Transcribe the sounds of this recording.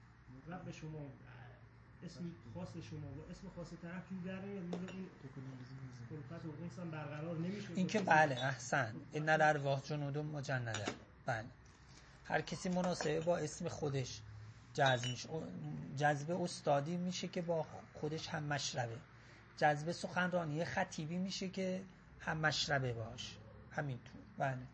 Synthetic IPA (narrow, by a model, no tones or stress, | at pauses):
æbeʃomɔ | esmxɒːseʃomɒːlɔʔesmexɒset̪ʰæɾæft̪ud̪æɾnijɒd̪mizeiːn | olfæt̪ʰoɣesæmbæɾɣæɾɒːɾnemiʃeiːnkʰebæleæhsænenːæd̪æɾvɒːhd͡ʒonuːd̪omːod͡ʒænːæd̪æ | b̥æle | hæ̰ɾcʰæsiːmonɒːse̞bebɒːe̞sme̞xod̪eʃ | d͡ʒæzbmiʃed͡ʒæzbe̞ost̪ɒːd̪iːmiːʃe̞cʰe̞bɒːxod̪e̞ʃhæmːæʃɾæbe̞ | d͡ʒæzbe̞soxænrɒːniːjexæt̪ʰiːbiːmiːʃecʰe | hæmːæʃɾæbe̞bɒːʃ | hæmint̪ʰuːɾbæːle